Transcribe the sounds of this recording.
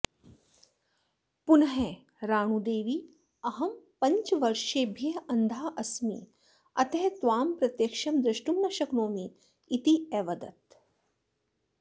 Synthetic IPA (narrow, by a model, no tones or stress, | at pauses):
punɐɦe | ɾaːɳ̃ud̪eːʋiː | ɐɦɐmpɐɲt͡ʃʋɐɾʃeːbʱiɐɐnd̪ʱaːʔɐsmḭː | ɐt̪ɐɦt̪ʋaːmpɾɐt̪jɐkʃɐmd̪ɾɪʃʈumnɐʃɐknoːmiː | t̪iɛːʋɐd̪ɐ̰t̪̚